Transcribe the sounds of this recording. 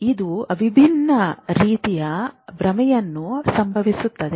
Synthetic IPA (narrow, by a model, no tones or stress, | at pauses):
id̪uɐʋʱibʱinːɐɾiːt̪ijɐbɾɐmɛjɐnːusɐmbʱɐʋisut̪ːɐd̪e